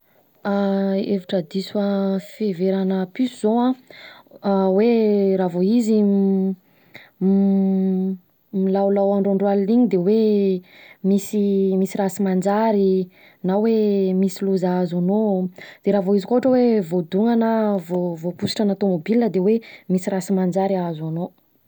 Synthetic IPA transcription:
aeviʈ͡ʂəd̪isuaffeveɾanəpysuz̥oã | weɾavoizi | milawlawaɳɖ͡ʐaɳɖ͡ʐwalliɲid̪ewe | misimisiɾasimand͡ʒaɾi | nawemisiluzazanod̪̥eɾavoizikoaʈ͡ʂəwevod̪uŋanəvovopusi̥ʈ͡ʂanat̪omobilnəd̪ewemisiɾasimand͡ʒaɾiazano

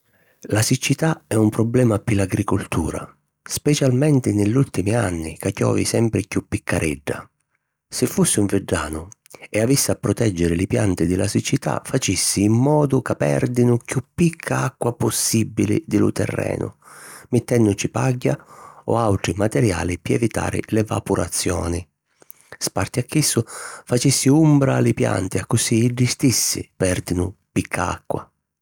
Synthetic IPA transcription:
lasit͡ʃːit̪aɛumpɾɔblɛːmapɪlaɡɾikʊlt̪ṵːɾa̰ | spɛt͡ʃalmɛnt̪ɪnɪʎːult̪imianːɪkakjɔ̰ːvḭsɛmpɾɪkjupːikʰːaɾʔɛɖːa̰ | sɪfːusːɪuɱvɪɖːa̰ːnʊ | ɛavisːɪapːɾɔt̪ɛd͡ʒːɪɾɪlɪpjant̪ɪd̪ɪlasit͡ʃːit̪a̰fat͡ʃisːiːmːɔːd̪ʊkapːɛ̰rd̪inʊkjupːikʰːaakːwapʊsːibːilɪ̰d̪ɪlʊ̰t̪ɛ̰rːɛ̰ːnʊ̰mɪt̪ːɛnːʊt͡ʃipaɟːaɔ̰awʈ̪ɾimat̪ɛɾja̰ːlɪpiɛvit̪a̰ːɾɪ̰lɛva̰puɾa̰t̪sːjɔːnɪ | spart̪ɪakːisːʊfat͡ʃisːiumbɾalɪpja̰nt̪ɪakːʊsiiɖist̪isːɪ̰pɛrd̪inʊpikʰːaa̰kːwa̰

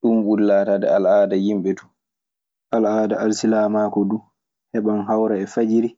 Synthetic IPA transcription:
ɗumwulːaːtadɛ̰alʔaːdajimɓɛtu̥ | ʔalʔaːdaalsilaːmaːkɔdu | hɛɓamɦawɾaɛfad͡ʒiɾi

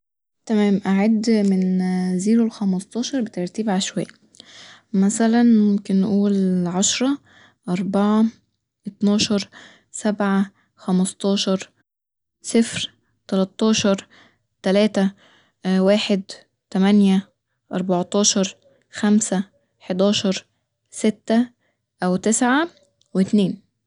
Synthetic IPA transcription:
t̪æmæːmʔaʕad̪ːmɪnziːɾolxæmɑst̪ˤɑːʃɑɾˤbet̪ɑɾˤt̪iːbʕalʃwæjː | mæsælænmmomkɪnːʔuːlʕɑʃɾˤɑ | ʔɑɾˤbɑʕɑ | ʔet̪nɑːʃɑɾˤ | sæbʕa | xæmɑst̪ˤɑːʃɑɾˤ | sɪfɾ | t̪ælɑt̪ˤːɑːʃɑɾˤ | t̪ælæːt̪æ | waːħed̪ | t̪æmænjæ | ʔɑ̰ɾˤbɑʕt̪ˤɑːʃɑɾˤ | xæmsæ | ħed̪ɑːʃɑɾˤ | sɪt̪ːæ | ʔæwt̪ɪsʕa | wɪt̪neːn

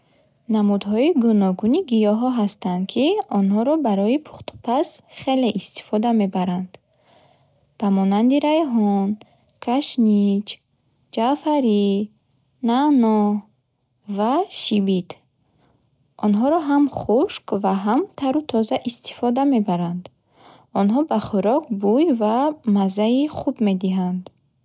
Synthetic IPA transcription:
namud̪ɦɔiɡunɔɡuniɡijɔɦɔɦast̪and̪̚kʰiɔnɦɔɾɔbaɾɔipʰu̥χt̪ʰu̥pʰasχe̞le̞ʔist̪i̥fɔd̪ame̞baɾand̪̥ | b̥amɔnand̪iɾajɦɔn | kʰaʃnit͡ʃ | d͡ʒafaɾi | nanɔ | vaʃibit̪ | ʔɔnɦɔɾɔɦamχuʃkvaɦamt̪ʰaɾut̪ʰɔzaʔist̪i̥fɔd̪ame̞baɾand̪ | ɔnɦɔbaχuɾɔk̚bujvamazaiχubme̞d̪iɦand̪

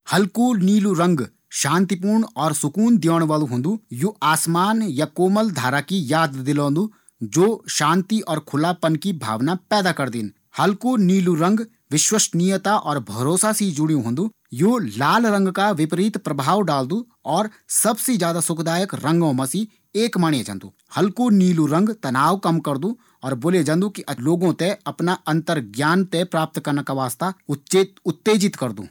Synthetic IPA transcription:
hɐlkuniːluɾɐ̃ŋɡ | ʃãːnt̪ipuːɾɳɔːɾsʊkuːnd̪jɔːɽ̃ʋaːlũɦõːnd̪ujuaːsmaːnjakoːməld̪ʱaːɾakijaːd̪d̪ɪlõːnd̪u | d͡ʒoːʃãːnt̪iʔɔːɾkʰʊlapɐnkibʱa̰ːʋnapɛːd̪akɐɾd̪ɪn | hɐlkuniːluɾɐ̃ŋɡ | ʋɪʃwəʃnijət̪aʔɔːɾbʱɐɾoːsasid͡ʒʊɽijũɦõːnd̪u | joːlaːlɾə̃ŋɡkaʋɪpɾiːt̪pɾɐbʱaːʋɖaːld̪ũ | ɔːɾ | sɐbsed͡ʒjaːd̪asʊkd̪aːjəkɾɐ̃ŋɡõmɐsi | eːkmaːɽ̃jed͡ʒə̰̃nd̪ṵː | hɐlkuniːluɾə̃ŋɡt̪ɐnaːʋkɐmkɐɾd̪ũ | ɔːɾboːled͡ʒɐ̃nd̪ũkiʔɐloːɡõt̪eɐpnaʔɐ̃nt̪əɾɡjaːnt̪epɾaːp̚t̪kɐɾnakaʋaːst̪a | ʊt̪ːeːd͡ʒɪt̪kɐɾd̪ṵ̃ː

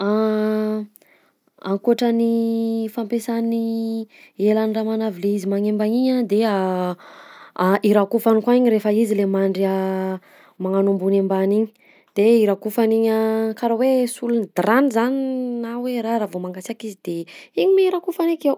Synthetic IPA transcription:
a | aŋkuaʈ͡ʂanifampesani | elaniramanavileizimaŋembaɲiɲad̪ea | aʔiɾakufanikwaiɲiɾefəizilemaɳɖ͡ʐia | maŋanumbunembaniɲi̥ | d̪̥eiɾakufaniɲakaɾawesulunid̪ɾanizaninaweɾaɾavomaŋɡasakizid̪̥eiɲimeiɾakufanekew

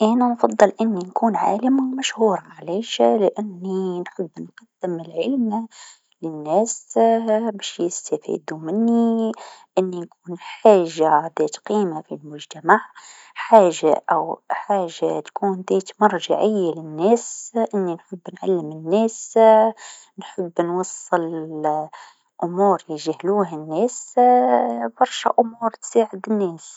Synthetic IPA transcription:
ʔænanfɑd̪ˤːɨlʔɪnːinkuːnʕa̰ːlɪmmæʃhuːɾˤʕlɛːʃlɪʔɪnːinħəbːnqɑd̪ːɪmɪlʕɪlmna | lɪnːæːs | bɛːʃjɪst̪afḭːd̪umɪnːiʔɪnːinkuːnħaːʒːaðɛːt̪qiːmafilmʊʒt̪amaʕ | ħaːʒːa̰ʔawħaːʒːat̪kuːnd̪ɛːt̪mɑɾˤʒaʕɪjːalɪnːɛːsʔɪnːinħʊbːnʕa̰lːɪmɪnːɛːs | nħʊbːnwɑsˤːɨl | ʔʊmuːɾliʒhluːɦanːɛːs | b̥ɑɾˤʃaʔʊmuːɾt̪saːʕɪd̪ɪnːɛːs

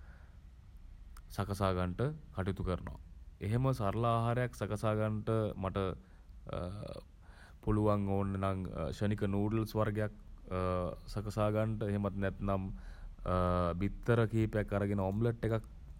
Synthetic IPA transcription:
sakəsaːɡaɳʈəkaʈit̪ukəɾəno̰ʋa̰eɦeməsaɾlaːɦaɾejaksakəsaːɡaɳʈəmaʈə | puluʋaŋoːnːenaŋʃənikənuːɖəlsʋarɡejak̚ | sakəsaːɡaɳʈəeɦemat̪nɛt̪nam | bit̪ːəɾəkiːpejakːaɾəɡenəomləʈːekak̚

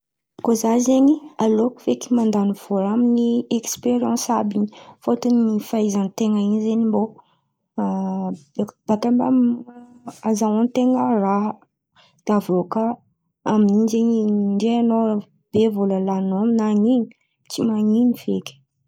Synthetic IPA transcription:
kozazeɲialokveki̥mand̪aniv̥oɾaminiɛkspeɾiɑ̃sabiɲifot̪unifaizant̪eŋəiɲzeɲimbo | bb̥akambam | azawant̪eŋəraɦ | d̪̥avokə | amininzeɲiɳɖ͡ʐeano | b̥evoləlanoaminaŋiɲi̥ | t͡simaŋiɲiv̥ekʲi̥

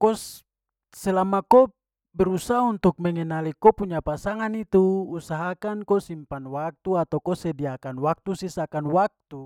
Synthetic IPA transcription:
kɔs | sɛlamako | bɛɾusaɦaunt̪uk̚mɛŋɛnalikɔpuɲapasaŋanit̪uusaɦakankosimpanwak̚t̪uat̪awkosɛdiakanwak̚t̪usisakanwak̚t̪u

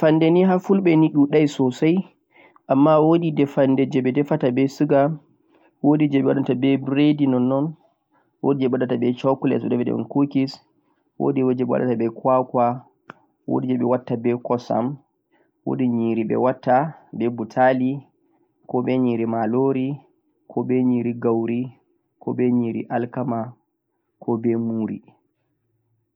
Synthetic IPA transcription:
fandeniɦafulɓɛniɗuɗajsɔsaj | ʔamːawoɗidɛfandɛd͡ʒɛɓɛdɛfatabɛsuɡa | wodid͡ʒɛɓɛwaɗatabɛbɾedinɔnːɔn | wo̰did͡ʒɛɓaɗatabɛt͡ʃakulɛ̰sɛdɛɓɛdɛ̰ɛ̰nkukis | wo̰diwod͡ʒɛɓɛwa̰ɗa̰tabɛkwakwa | wo̰did͡ʒɛɓɛwatːabɛkɔsa̰m | wo̰diɲiːɾibɛ̰watːabɛbutʰali | kɔɓɛɲiːɾimaloɾi | kʰɔbɛɲiːɾiɡawɾi | kɔbɛɲiːɾḭʔalkama | kʰɔbɛmuːɾḭ

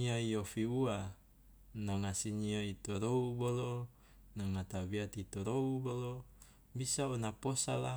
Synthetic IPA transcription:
iaiofiua | naŋasiniait̪oɾoubolo | naŋat̪abiat̪it̪oɾoubolo | bisaonaposala

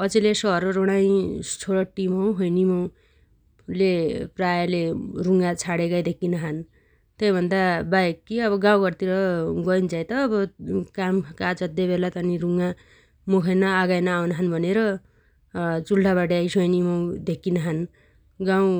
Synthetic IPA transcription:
ʌt͡selesʌɦʌɾoɾoɽ̃aj̃t͡sʰoɽʌʈːimʌwɦʌjnimʌw | leprajaleruŋɡat͡sʰaɽekajd̪ʱekːinʌɦʌn | t̪ejbʱʌnd̪abajkːiʌbʌɡãw̃ɡʌrt̪iɾʌɡʌint͡sajt̪ʌːbʌkamkat͡sʌd̪ebelat̪ʌniɾuŋɡa | mukʰʌjnʌːɡajnʌːwnʌɦʌnbʱʌneɾʌ | t͡sulʈaβaʈʌajsʌjnimʌw̃d̪ekːinʌɦʌn | ɡãw̃

